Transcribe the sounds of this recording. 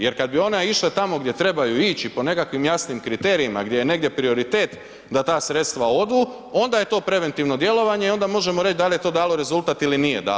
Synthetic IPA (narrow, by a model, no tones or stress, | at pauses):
je̞ɾkad̪bio̞neiʃlet̪amo̞ɡd̪ʲje̞t̪ɾe̞bajuit͡ɕipo̞ne̞kakʋimjasnimkɾit̪eːɾiima̰ɡd̪jejene̞ɡd̪jepɾio̞ɾit̪e̞ːt̪ | d̪at̪aːsɾe̞t̪st̪ʋao̞d̪uː | o̞nd̪aje̞t̪o̞ːpɾe̞ʋe̞nt̪iʋno̞d̪je̞lo̞ʋaɲe̞io̞nd̪amo̞ʒe̞moɾe̞t͡ʃd̪alijet̪o̞ːd̪aːlˠo̞ɾe̞zulˠt̪aːt̪ilinijed̪a̰ːo